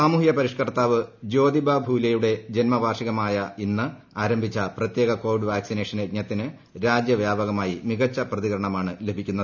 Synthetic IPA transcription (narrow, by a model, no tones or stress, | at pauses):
saːmuːhjɐpɐɾiʂkɐrt̪ːaːʋɨd͡ʑo̞ːd̪ibʱabʱuːlɐjuɽe̞d͡ʑe̞nmɐbʱaːrʂiɣɐmaːjɐinːɨ | aːɾɐmbʱit͡ɕːɐprɐt̪jeːɣɐko̞ːʋiɖʋaːksineːʂɐneɡɲɐt̪ːinɨ | ɾaːd͡ʑjɐʋjaːbɐɣɐmaːjimiɣɐt͡ɕːɐprɐðiɣɐɾɐɳɐmaːɳɨle̞bʱikʲːunːɐðɨ